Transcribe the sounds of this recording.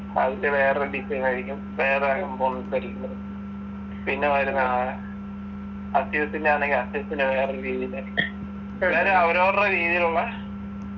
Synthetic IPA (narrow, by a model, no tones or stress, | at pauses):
ɐ̰ðindeʋe̞ːreɖipːɐnɐɾikʲːum | ʋe̞ːreaːkɐmponːikɐɾikʲːunːɐðɨ | pinːeʋɐɾuna | ɐsiʋɐt̪ːindaːne̞ŋɡilɐsiʋɐt̪ːinɨʋe̞ːreɾiːðijilɐikʲːu | lːaɾɐʋɐɾoɐrrɐɾiːðijiluɭːɐ